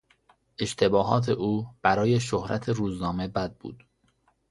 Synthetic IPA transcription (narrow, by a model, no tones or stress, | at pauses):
ʔe̞ʃt̪ʰe̞bɒːɦɒːt̪ʰe̞ʔuːb̥æɾɒːje̞ʃohɾʔæ̰t̪ʰeɾuːznɒːme̞bæd̪̚bṵːd̪̥